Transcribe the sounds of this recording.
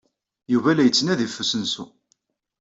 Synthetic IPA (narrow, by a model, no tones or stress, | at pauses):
juvælæjət͡sːnæðifːusənsu